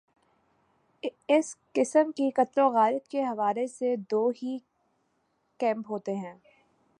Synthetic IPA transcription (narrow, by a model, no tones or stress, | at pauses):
ɪskɪsəmkikɐt̪loɣaːɾət̪keɦɐʋaːlesed̪oːɦi | kɛ̃ːmpɦoːt̪eɦɛ̃ː